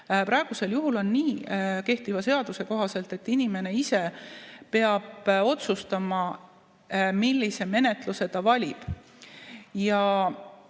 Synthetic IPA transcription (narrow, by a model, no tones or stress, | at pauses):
pɾɑe̞ɡ̥use̞ljuɦulo̞nːiːke̞ht̪ivɑse̞ɑd̪use̞ko̞ɦɑse̞lt̪ːˑe̞t̪ːinime̞ne̞ise̞pe̞ɑb̥o̞t̪sust̪ɑmɑ | milʲːise̞me̞ne̞t̪ˑluse̞d̪̥ɑvɑlʲib̥ | jɑ